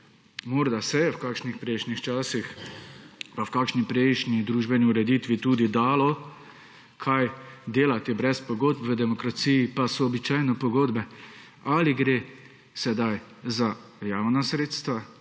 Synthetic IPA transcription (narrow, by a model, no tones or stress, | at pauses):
moːɾd̪asɛjɛwkaːkʃnixpɾɛjʃnixt͡ʃaːsix | pawkaːkʃnipɾɛjʃnid̪ɾuːʒbɛniuɾɛd̪iːt̪ʋit̪uːd̪id̪aːlɔ | kʰajd̪eːlat̪ibɾɛspɔɡoːd̪̚pʋəd̪ɛmɔkɾat̪siːjːpasɔːbit͡ʃaːjnɛpɔɡoːd̪bɛ | aliɡɾeː | sɛd̪aj | zajaːwnasɾeːt̪st̪ʋa